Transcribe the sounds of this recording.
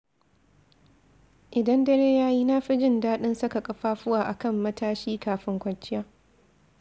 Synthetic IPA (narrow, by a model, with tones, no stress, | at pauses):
ʔɪ˨dɐ˦ndɐ˦ɽeː˦jaː˦jiː˦naː˦ɸi˦d͡ʒɪ˦ndaː˦ɗɪ˦nsɐ˦ka˨kʼɐ˨ɸaː˦ɸʊ˦waː˨ʔa˨kɐ˦˨mːɐ˦tʰaː˦ʃiː˦kaː˨ɸɪ˦ŋkʷɐ˨nt͡ʃːɪ˦jaː˦